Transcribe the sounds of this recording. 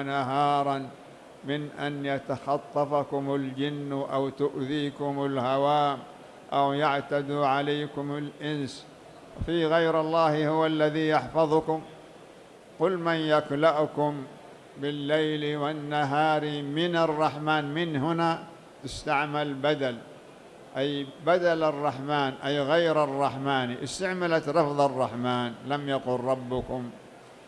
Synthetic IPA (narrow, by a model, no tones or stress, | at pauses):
naɦɑːɾˤɑn | mɪnʔanjat̪axɑt̪ˤːɑfakʊmald͡ʒɪnːʔawt̪ʊʔðiːkʊmʊlhawaːm | ʔawjaʕt̪ad̪uʕalajːkʊmalʔɪns | fiɣajɾɑlˤːɑːhhʊwalːaðiːjɑħfɑðˤʊkʊm | qʊlmanjaklaʔʊkʊm | bɪlːajlwanːaɦaːɾimɪnɑrˤːɑħmaːnmɪnɦʊna | t̪ɪst̪aʕmalbad̪al | ʔajbad̪alɑrˤːɑħmaːnʔajɣajɾɑrˤːɑħmaːniʔɪst̪aʕmalat̪ɾˤɑfðˤɑrˤːɑħmaːnlamjaqʊlɾˤɑbːʊkʊm